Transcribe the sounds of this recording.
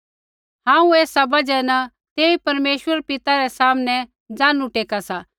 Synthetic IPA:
ɦãːũeːsabɐd͡ʒɛna | t̪eːipɐɾmeːʃwəɾpɪt̪aɾɛsaːmnɛ | d͡zãːnũʈeːkasa

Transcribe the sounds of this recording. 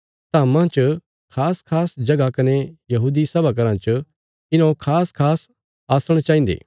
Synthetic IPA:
t̪aːmãt͡ʃ | kʰaːskʰaːsd͡ʒɐɡakɐnejɐɦuːd̪isɐbʱak̬ɐɾãt͡ʃ | ɪnakʰaːskʰaːs | aːsəɽ̃t͡ʃãːĩnd̪ḛː

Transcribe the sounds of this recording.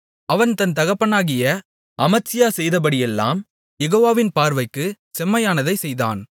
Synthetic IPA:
ɐʋɐnt̪ɐnt̪ɐɣɐpːɐnaːɣɪjɐ | ʔɐmɐt͡ʃːɪjaːsɛjðɐp̬ɐɽɪjɛlːa̰ːm | jɛɣoːʋaːʋɪnpaːɾʋɐɪkːɯ | sɛmːɐjaːnɐðɐɪsɛjða̰ːn

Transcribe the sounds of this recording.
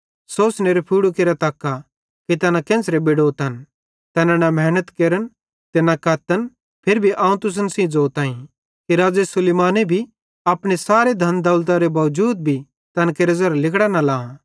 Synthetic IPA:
soːsneɾepʰiːɽukeːɾat̪ɐːkːa | kit̪ɐnãkẽːnsɾebɪɽoːt̪ɐn | t̪ɛːnãnamɛːnət̪keːɾən | t̪enakɐt̪ən | pʰɪɾbʱiʔãːũt̪ʊs̬ənsĩd͡zoːt̪ãːĩ | kiɾaːd͡ʒesʊleːmaːnebʱi | ɐpɽ̃esaːɾed̪ʱɐnd̪ɐlt̪̬aɾebɐʋd͡ʒuːd̪̚bʱi | t̪ɐnakeɾɐzɐɾlɪkɽanɐlaːã

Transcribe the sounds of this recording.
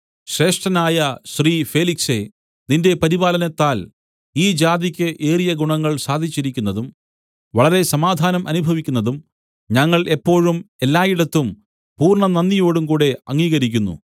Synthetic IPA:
ɕre̞ːʂʈɐnaːjɐɕriːfe̞ːlikse̞ | ninde̞pɐɾibaːlɐnɐt̪ːaːl | iːd͡ʑaːd̪ikʲːɨʔe̞ːrijɐɡuɳɐŋːɐɭsaːd̪ʱit͡ɕːiɾikʲːunːɐðum | ʋɐɭɐɾe̞sɐmaːd̪ʱaːnɐmʔɐnubʱɐʋikʲːunːɐðum | ɲɐŋːɐɭʔe̞pːo̞ːɻume̞lːaːjiɽɐt̪ːum | puːrɳɐnɐnːijo̞ːɽumkuːɽe̞ɐŋːiːɣɐɾikʲːunːṵ

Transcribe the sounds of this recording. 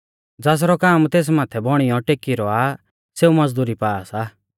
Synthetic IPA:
d͡zaːs̬ɾɔkaːmt̪eːs̬maːt̪ʰɛbɔɽ̃ijɔʈeːkiɾɔaː | seːumɐd͡zd̪uːɾipaːasaː

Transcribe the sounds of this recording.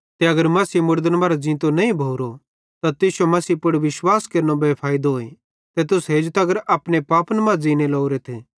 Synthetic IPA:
t̪eɐɡəɾmɐsiːmʊɾd̪ənbaːɾad͡zĩːt̪onɐĩbʱoːɾo | t̪at̪ɪʃomɐsiːpʊɽʋɪʃwaːskeɾnobepʰaːɪd̪ɦoːẽ | t̪et̪ʊsɦeːd͡ʒt̪aɐɡəɾaːpɽ̃epaːpnmãd͡ziːnelɔːuɾet̪ʰeː

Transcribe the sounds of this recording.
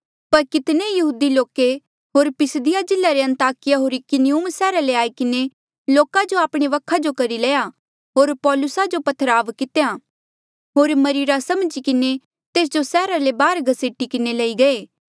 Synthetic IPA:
pɐɾkɪt̪nejɐɦuːd̪iloːke | ɦoːɾpɪsd̪ɪjad͡ʒɪlaɾeɐ̃nt̪aːkɪjaɦoːɾikɪnɪuːmsɛːɾaleaːikɪne | loːkad͡ʒoaːpɽ̃eʋɐkʰad͡ʒokɐɾilɛːja | ɦoːɾpɔːlʊsad͡ʒopɐt̪ʰːəɾaːʋkɪt̪eja | ɦoːɾmɐɾiːɾasɐmd͡ʒikɪne | t̪eːs̬d͡ʒosɛːɾalebaːɾɡʱɐseːʈikɪnelɐiɡɐeː

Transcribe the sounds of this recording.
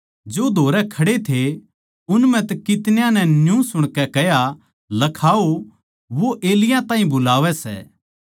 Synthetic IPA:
d͡ʒoːd̪ʱoːɾɛkʰɐɽet̪ʰe | ʊnmɛ̃t̪ɐkɪt̪njãnɛ̃njũsʊɽ̃kɛkɛɦja | lɐkʰaːo | ʋoʔeːlɪjãt̪ãːɦĩbʊlaːʋɛsɛ̰ː

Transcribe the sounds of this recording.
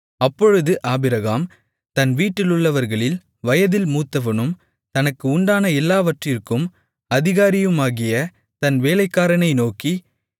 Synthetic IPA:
ɐpːɔɻɯðɯʔaːbɪɾɐɣaːm | t̪ɐnʋiːʈːɪlʊɭːɐʋɐɾɣɐɭɪl | ʋɐjɐðɪlmuːt̪ːɐʋɐnɯm | t̪ɐnɐkːɯʊɳɖaːnɐɛlːaːʋɐʈrɪrkɯm | ɐðɪɣaːɾɪjɯmaːɣɪjɐ | t̪ɐnʋeːlɐɪkːaːɾɐɳɐɪnoːki

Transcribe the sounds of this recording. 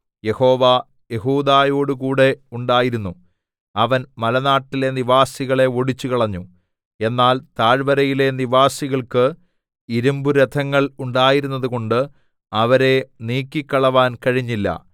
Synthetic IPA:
je̞ho̞ːʋa | je̞ɦuːd̪aːjo̞ːɽukuːɽe̞uɳɖaːjiɾunːu | ɐʋɐnmɐlɐnaːʈːile̞niʋaːsiɣɐɭe̞oɽit͡ɕːukɐɭɐɲːu | e̞nːaːlt̪aːɻbɐɾɐjile̞niʋaːsiɣɐɭkɨ | iɾumbuɾɐd̪ʰʱɐŋːɐɭuɳɖaːjiɾunːɐðuko̞ɳɖɨ | ɐʋɐɾe̞niːkːikːɐɭɐʋaːnkɐɻiɲːilːɐ̰

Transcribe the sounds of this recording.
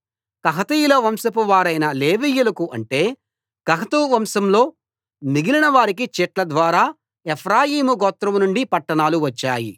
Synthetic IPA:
kɐɦɐt̪ɐjulɐʋɐmsɐp̬uʋaːɾɐjnɐleːʋiːjːulɐkuʔɐɳʈe̞ː | kɐɦɐt̪uːʋɐmsɐmlo̞ː | niɡilinɐʋaːɾikit͡ʃɛːʈlɐd̪ʋaːɾaː | epʰɾaːjiːmuɡɔːt̪ɾɐmnuɳɖipɐʈːɐɳaːluʋɐt͡ʃːaːjḭ

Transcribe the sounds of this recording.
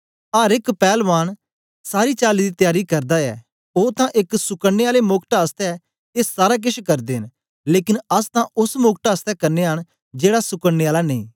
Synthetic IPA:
aːɾɪkpɛːlʋaːɽ̃ | saːɾiːt͡ʃaːlid̪it̪ɪjaːɾikɐɾd̪aɛ̰ː | oːt̪ãʔɪksʊkəeaːlemʊkʈaːst̪ɛ | eːsaːɾak̬ɪʃʰkɐɾd̪eːɦɪn | leːkɪnɐst̪ãʔʊsmʊk̚ʈaːst̪ɛkɐɾneɦəɽ̃ | d͡ʒeːɽasʊkəɽneaːlaneḭ̃ː

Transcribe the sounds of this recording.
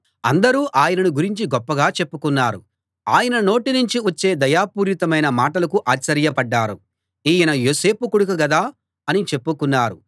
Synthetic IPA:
ɐnd̪ɐɾuːʔaːjɐnɐnuɡuɾiɲt͡ʃiɡɔpːɐɡaːt͡ʃe̞pːukunːaːɾṵ | aːjɐnɐno̞ːʈinuɲt͡ʃiʋɐt͡ʃːe̞ːd̪ɐjaːpuːɾit̪ɐmɐjnɐmaːʈɐlɐkuʔaːt͡ʃːɐɾjɐpɐɖːaːɾṵ | iːjɐnɐjoːse̞ːpukuɽukɐɡɐd̪aː | ɐnit͡ʃe̞pːukunːaːɾu

